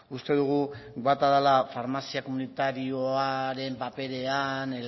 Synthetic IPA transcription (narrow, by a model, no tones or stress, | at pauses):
ust̪e̞ðuɣ̞ubat̪aðalafaɾmasiako̞munit̪aɾio̞aɾe̞mpape̞ɾe̞ane